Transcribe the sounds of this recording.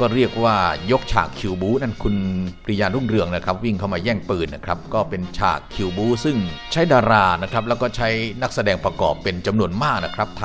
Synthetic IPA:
kɔː˥˩ɾi˥˩ək̚waː˥˩jo˦˥k̚t͡ɕʰa̰ː˨˩kʰːi˧wbuː˦˥na˥˩nkʰu˧npʰɾi˧˥˧jaː˧nɾu˥˩ŋɾɯ˧əŋna˦˥kʰɾa˦˥p̚wi˥˩ŋkʰa˥˩wmaː˧jɛː˥˩ŋpɯː˨˩n̚na˦˥kʰɾa˦˥p̚kɔː˥˩pe˧nt͡ɕʰa̰ː˨˩kʰːi˧wbuː˦˥sɯ˥˩ŋt͡ɕʰa˦˥jdaː˧ɾaː˧˩na˦˥kʰɾa˦˥p̬̚lɛ˦˥wkɔː˥˩t͡ɕʰa˦˥jna˦˥k̚sa˧dɛː˧ŋpɾa˧kɔː˨˩pːe˧nt͡ɕa˧mnu˧ənmaː˥˩k̚na˦˥kʰɾa˦˥p̚t̪ʰa˧

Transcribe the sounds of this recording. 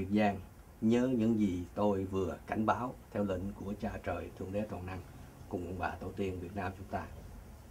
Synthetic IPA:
i˨˩ək̚zaː˧ŋ | ɲəː˨˦ɲɨ̰˧˥ŋzi˨˩t̪o˧jvɨ˨˩əka˧˩jŋ̟ɓaː˨˦wt̪ʰɛ˧wlḭ̈˧˨ŋ̟ku˧˩ət͡ɕaː˨˩t͡ɕəː˨˩jt̪ʰɨ˧əŋɗe˨˦t̪ʰwa̰˧˨˩nʔa˧ŋkʊ̰˨˩ŋ͡mʔʊ̰˨˧˩ŋ͡mɓa̰ː˧˩t̪o˧˩t̪i˧ənvi˨˩ət̚naː˧mt͡ɕʊ˨˦ŋ͡mt̪aː˧

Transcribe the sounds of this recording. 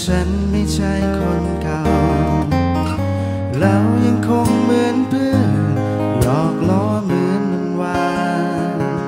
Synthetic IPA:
t͡ɕʰa˦˥n | ma˥˩jt͡ɕʰa˥˩jkʰɔ˧nka˧w | ɾa˦˧˥wja˧ŋkʰo˧ŋmɯː˨˦ənpʰɯ˥˩ən | lɔː˨˩k̚lɔː˧˥ | mɯː˨˧˦nɯ˧nwaː˧˥

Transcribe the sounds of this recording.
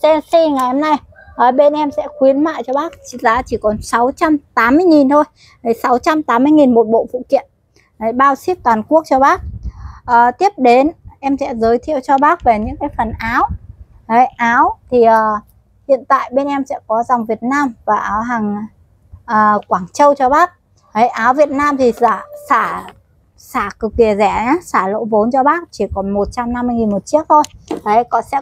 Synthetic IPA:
sɛ˧nsi˧ŋa˨˩jʔɛ˧mna˧j | ʔəː˨˩ɓe˧nʔɛ˧msɛ̰˧˥xwi˨˦ənma̰ː˧˨jt͡ɕɔ˧ɓaː˦˥k̚t͡ɕi˧˩za̰ː˧˥t͡ɕi˧˩kɔ˨˦nsa˨˦wt͡ɕa˧mt̪aː˨˦mːɨ˧əjŋi˨˩nt̪ʰo˧j | hə˨˩sa˨˦wt͡ɕa˧mt̪aː˨˦mːɨ˧əjŋi˨˩nmo˨˩t̚ɓo̰˧˨fṵ˧˨kḭ˧˨ən | hə˨˩jɓaː˧wsi˦˥p̚t̪waː˨˩nku˦˥ək̚t͡ɕɔ˧ɓaː˦˥k̚ʔəː˨˩t̪i˦˥əp̚ɗe˨˦nʔɛ˧msɛ̰˧˥zəː˨˦jt̪ʰḭ˧˨əwt͡ɕɔ˧ɓaː˦˥k̚ve˨˩ɲɨ̰˧˥ŋkaː˨˦jfə˨˩nʔaː˨˦w | hə˨˦jʔaː˨˦wt̪ʰi˨˩ʔəː˨˩ | hḭ˧˨ənt̪a̰ː˧˨jɓe˧nʔɛ˧msɛ̰˧˥kɔ˨˦za˨˩wŋ͡mvi˨˩ət̚naː˧mvaː˨˩ʔaː˨˦wɦaː˨˩ŋ | ʔəː˨˩kwaː˧˩ŋt͡ɕə˧wt͡ɕɔ˧ɓaː˦˥k̚ | hə˨˦jʔaː˨˦wvi˨˩ət̚naː˧mt̪ʰi˨˩zaː˧˩saː˧˩ | saː˧˩kɨ˨˩k̚ɗi˧˩əzɛ˧˩ɲa˨˦saː˧˩lo̰˧˥vo˨˦nt͡ɕɔ˧ɓaː˦˥k̚t͡ɕi˧˩kɔ˨˩˦nmo˨˩t̚t͡ɕa˧mna˧mːɨ˧ŋi˨˩nmo˨˩t̚t͡ɕi˦˥ək̚t̪ʰo˧jhə˨˦kɔ˧˥sɛ̰˧˥

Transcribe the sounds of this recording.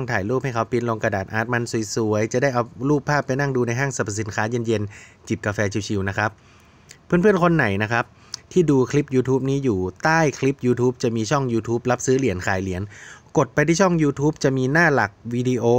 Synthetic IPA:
ŋt̪ʰaː˨˩˦jluː˥˩p̚ha˥˩jkʰa˦˥wpi˧nlo˧ŋka˧daː˨˩t̪̚ʔaː˨˩t̪̚ma˧nsu˨˩˦jsu˩˦əjt͡ɕa˨˩ʔdaː˥˩jʔa˧wluː˥˩pʰːaː˥˩pːa˧jna˥˩ŋduː˧na˧jɦaː˥˩ŋsa˧˩pʰa˨˩si˨˩˦nkʰaː˦˥je˧nje˧n | t͡ɕi˨˩p̚ka˧fɛː˧t͡ɕʰi˧wt͡ɕʰi˧wna˦˥kʰa˦˥p̚ʰː | ɯː˥˩˨npʰɯ˥˩ənkʰo˧nːa˩˦jna˦˥kʰa˦˥p̚ | t̪ʰiː˥˩duː˧kʰli˦˥p̚juː˧t̪ʰuː˦˥p̚niː˦˥juː˨˩t̪aː˥˩jkʰli˦˥p̚juː˧t̪ʰuː˦˥p̚t͡ɕa˨˩miː˧t͡ɕʰɔ˥˩ŋjuː˧t̪ʰuː˦˥p̚la˦˥p̚sɯː˦˥li˨˩˦ənkʰaː˨˩˦jli˨˩˦nko˨˩t̪̚pa˧jt̪ʰiː˥˩t͡ɕʰɔ˥˩ŋjuː˧t̪ʰuː˦˥p̚t͡ɕa˨˩miː˧naː˥˩la˨˩k̚wiː˧di˧ʔoː˧

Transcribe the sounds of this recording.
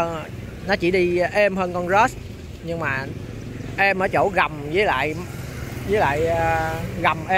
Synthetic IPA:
nɔ˨˦t͡ɕi˧˩ɗi˧ʔɛ˧mhəː˧nkɔ˧nzə˦˥s | ɲɨ˧ŋmaː˨˩ | ʔɛ˧mʔəː˨˦t͡ɕo̰˧˩˦ɣa˨˩mzəː˨˦jla̰ː˧˨j | zəː˨˦jla̰ː˧˨jɣa˨˩mʔɛ˧

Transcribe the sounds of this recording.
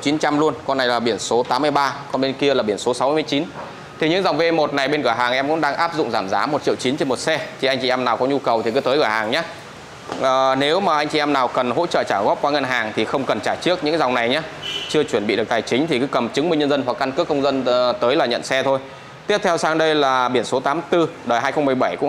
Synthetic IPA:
t͡ɕi˨˦nt͡ɕa˧mlu˧ənkɔ˧nːa˨˩jlaː˨˩ɓi˧˩ənso˨˦t̪aː˨˦mːɨ˧əjɓaː˧kɔ˨˧nɓe˧nki˧əlaː˨˩ɓi˧˩ənso˨˦sa˨˦wmː˧m˧ə˩jt͡ɕi˨˦n | t̪ʰi˨˩ɲɨ̰˧˥ŋza˨˩wŋ͡mve˧mo˨˩t̚na˨˩jɓe˧nɣɨ˧˩əjɦaː˨˩ŋʔɛ˧mkʊ̰˧˥ŋ͡mɗaː˧ŋʔaː˦˥p̚zʊ̰˧˨ŋ͡mzaː˧˩mzaː˨˦mo˨˩t̚t͡ɕḭ˧˨əwt͡ɕi˨˦nt͡ɕe˧nmo˨˩t̚sɛ˧t̪ʰi˨˩ʔa˧jŋ̟t͡ɕi˧˨ɛ˧mnaː˨˩wkɔ˨˦ɲu˧kə˨˩wt̪ʰi˨˩kɨ˨˦t̪əː˨˦jɣɨː˧˩haː˨˩ŋɲaː˨˦ | ʔəː˨˩ne˨˦wmaː˨˩ʔa˧jŋ̟t͡ɕi˨ʔɛ˧mnaː˨˩wkə˨˩nɦo̰˧˥t͡ɕə̰ː˧˨t͡ɕaː˧˩ɣɔ˦˥p̚kwaː˨˦ŋə˧nɦaː˨˩ŋt̪ʰi˨˩xə˧wŋ͡mkə˨˩nt͡ɕaː˧˩t͡ɕɨ˦˥ək̚ɲɨ̰˧˥ŋza˨˩ŋ͡mna˨˩jɲaː˨˦t͡ɕɨ˧ət͡ɕwi˧˩nɓḭ˧˨ɗɨ˨˩k̚t̪aː˨˩jt͡ɕï˨˦ŋ̟t̪ʰi˨˩kɨ˨˦kə˨˩mt͡ɕɨ˨˦ŋmi˧ŋɲə˧nzə˧nɦwa˨˩kːa˧nkɨ˦˥əkːə˧wŋ͡mzə˧nt̪əː˨˦jlaː˨˩ɲə̰˧˨nsɛ˧t̪ʰo˧j | t̪i˦˥əp̚t̪ʰɛ˧wsaː˧ŋɗə˧jlaː˨˩ɓi˧˩ənso˨˦t̪aː˨˦mt̪ɨ˧ɗəː˨˩jɦaː˧jxə˧ŋ͡mm˨˩əjɓə˧˩jkʊ̰˧˥ŋ

